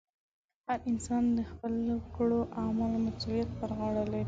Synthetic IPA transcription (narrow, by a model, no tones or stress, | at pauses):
haɾɪnsɑnd̪əxpəlkəɽoʔamɑlomasulijat̪̚bəɾɣɑɽəle